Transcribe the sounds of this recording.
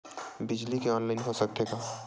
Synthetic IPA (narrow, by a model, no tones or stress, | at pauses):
bɪd͡ʒlikeɔːnlaːɪnɦosɐk̚t̪eːɡaː